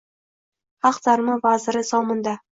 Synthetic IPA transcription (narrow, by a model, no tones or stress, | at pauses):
haqzaɾmɒvazɪɾɪsɒmɪnd̪a